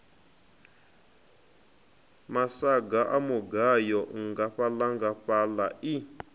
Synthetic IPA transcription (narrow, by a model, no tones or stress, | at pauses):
masaɡaʔamuɡajɔŋɡaɸalaŋɡaɸalai